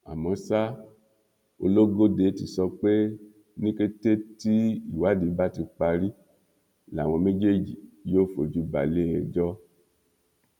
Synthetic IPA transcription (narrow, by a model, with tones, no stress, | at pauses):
a̰˨mɔ̃˨˦sa˦ | o˧lo˦ɡo˦de˨˦ti˧sɔ˧k͡pe˦ | nĩ˦ke˦te˦ti˦i˨wa˨˦di˨˦ba˦ti˧k͡pa˧ɾi˦ | la˨w̃ɔ̃˧me˦d͡ʒe˦d͡ʒi˨jo˦fo˧d͡ʒu˦ba̰˨le˦ɛ˧d͡ʒɔ˦